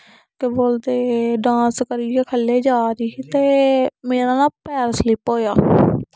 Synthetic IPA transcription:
keboːld̪eːɖãːskəɾieːkʰəlːeːd͡ʒaːɾiːt̪eːmeːɾãːnaːpɛːɾslɪpɦoːjaː

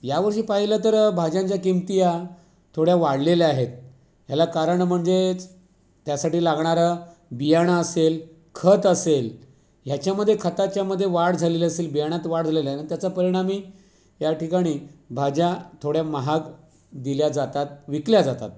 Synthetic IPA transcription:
jaʋəɾɕiːpaɦilət̪əɾbʱad͡ʑãɲt͡ɕjakimt̪ija | t̪ʰoɽjaʋaɽlelaɦet̪̚ | jalakaɾəɳm̤əɳd͡ze | t̪jasaʈiːlaɡɳ̃aɾa | bijaɽ̃aəsel | kʰət̪əsel | jat͡ɕjaməd̪ʱjekʰət̪at͡ɕjaməd̪ʱːjeʋaɽd͡zʱaleləselbijaɽ̃at̪ʋaɽd͡zʱalelaait̪jat͡sapəɾiɽ̃amiː | jaʈikaɽ̃iːbʱad͡ʑat̪ʰoɽjaməɦak | d̪iljad͡zat̪at̪̚ʋikljad͡zat̪a̰t̪̚

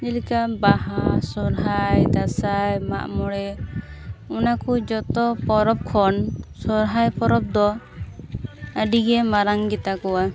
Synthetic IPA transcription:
d͡ʒɛlikabaɦasɔɾɦajd̪asajma̰ʔmɔɽɛ | ɔnakud͡ʒɔt̪ɔpɔɾɔp̚kʰɔnsɔɾɦajpɔɾɔp̚d̪ɔ | əɖiɡɛmaɾaŋɡɛt̪akɔwa

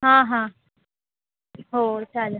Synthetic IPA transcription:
ɦãɦã | ɦot͡ʃʰal

